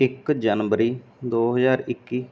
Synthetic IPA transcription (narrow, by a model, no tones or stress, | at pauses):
ɪkd͡ʒənʋəɾiːd̪oːɦəzaːɾɪkːiː